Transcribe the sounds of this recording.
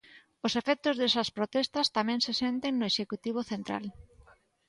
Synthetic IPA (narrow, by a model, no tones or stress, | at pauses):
osefɛk̚t̪ʊzðesɐspɾot̪ɛst̪ɐst̪amɛ̃ŋsesent̪eŋnʊeʃekut̪iβ̞oθent̪ɾa̰l